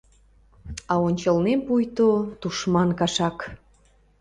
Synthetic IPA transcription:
ɑonʲt͡ɕəlnempujt̪ot̪uʃmɑnkɑʃɑk

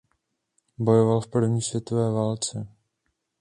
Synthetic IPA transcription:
bo̞jo̞valfpr̩vɲiːsvjɛt̪o̞vɛːvaːlt͡sɛ

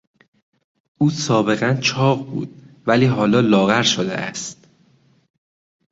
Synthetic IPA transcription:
ʔuːsɒːbe̞ɣænt͡ʃʰɒːʁbṵːd̪̥̚væliːɦɒːlɒːlɒːɣæɾʃod̪ḛʔæ̰st̪

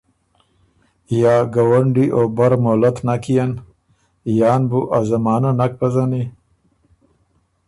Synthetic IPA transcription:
jaːɡawaɳɖiʔobaɾmolat̪nakijan | jaːnbuʔazamaːnanak̚pazani

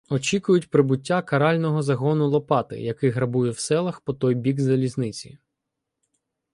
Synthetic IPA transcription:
ɔt͡ʃikʊjʊtʲpɾɪbʊtʲːakɐɾɑlʲnɔɦɔzɐɦɔnʊlˠɔpɑt̪ɪ̰jɐkɪɦɾɐbujɛwsɛlˠɐxpɔt̪ɔjbʲiɡzɐlʲiznɪt͡sʲḭ

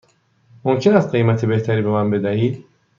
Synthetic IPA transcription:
momcʰe̞næst̪̚ɢejmæt̪ʰebe̞ht̪ʰæɾiːbemænbe̞d̪æhiːd̪

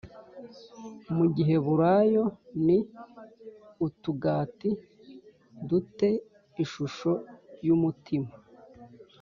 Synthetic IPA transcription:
muɟiɦe̞βuɾajo̞ni | utuɡaːti | dute̞ | iʃuʃo̞jumutima

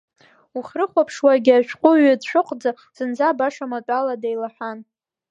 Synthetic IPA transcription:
uχrɨχʷapʰʂwaɡʲaʃʷᶣqʷʼʊɥadʃʷᶣʊqʼd͡za | z̥ɨnd͡zabaʂamatʼaladejlaħʷᶣan

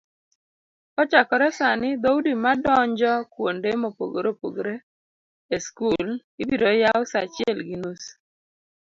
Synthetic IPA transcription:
kɔt͡ʃakɔɾɛsanɪd̪audimadɔɲd͡ʒɔkwondemopo̰ɡoɾopo̰ɡoɾe | eskulibiɾojawsat͡ʃɪɛlɡinus

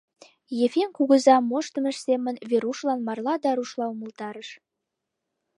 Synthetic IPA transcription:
jefenkuɣə̆zɑmoʃt̪ə̆mə̆ʃsemə̆nβeɾuʃlɑnmɑrlˠɑd̪ɑɾuʃlˠɑumə̆lt̪ɑɾəʃ

